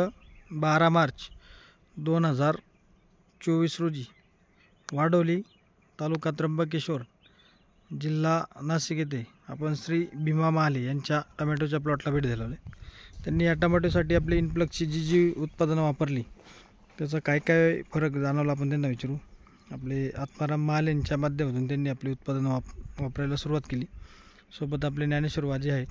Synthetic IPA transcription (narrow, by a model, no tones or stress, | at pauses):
əbaɾamaɾt͡s | d̪onɦəd͡zaɾ | t͡ɕoʋiːsɾod͡ʑiː | ʋaɽəʋliː | t̪alukãt̪ɾəmbək̬eɕoɾ | d͡ʑilːanasiɡʱet̪̬e | a̰pəɳsɾiːbʱimamalijaɲt͡ɕjaʈəmeʈ̬ot͡ɕjap̬lɔʈlabʱiːʈd̪ʱeləʋlet̪janːiːjaʈəmeʈ̬os̬aʈiːap̬liːnpləkt͡ɕiːd͡ʑid͡ʑiut̪̚pad̪ənaʋapəɾliː | t̪jat͡sakajkajfəɾəkd͡zañaʋlaːp̬əɳt̪̬enːaʋit͡ɕɾuː | apleat̪maɾamːəɦalejaɲt͡ɕjamad̪ʱjaʋəd̪uːnt̪̬janːiːapliːut̪̚pad̪ənaʋapɾajlasuɾuʋat̪keliː | sobət̪̬ap̬linjaneɕuɾuʋad͡ʑiːaɦe